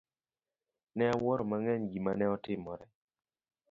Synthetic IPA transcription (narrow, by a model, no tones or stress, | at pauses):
nɛawɔɾɔmaŋɛɲɡimanɛɔtɪmɔɾɛ